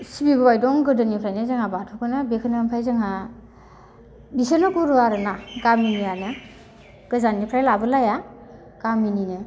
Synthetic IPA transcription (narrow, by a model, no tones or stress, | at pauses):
sibibɯbajdɔŋɡɯdɯnipʰɾajnɯzaŋabatʰukʰɯnɯbekʰɯnɯmpʰajzaŋa | bisanɔkuɾuaɾɯnaɡaminijanɯ | ɡ̥ɯzanipʰɾajlabɯlaja | ɡ̥amininɯ